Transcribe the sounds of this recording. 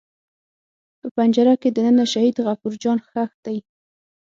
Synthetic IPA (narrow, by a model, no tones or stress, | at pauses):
pəpand͡ʒaɾaked̪ənənaʃahid̪ɣafuɾd͡ʒɑnxaxd̪̥aj